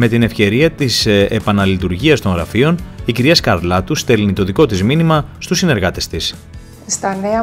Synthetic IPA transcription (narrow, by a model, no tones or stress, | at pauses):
me̞t̪ine̞fçce̞ɾiɐt̪isepɐnɐlit̪uɾʝiɐst̪o̞ŋɣɾɐ̰fio̞niciɾiɐskɐɾlɐt̪ust̪e̞lnit̪o̞ðiko̞t̪izminimɐst̪usːine̞ɾɣɐt̪e̞st̪is | st̪ɐneɐ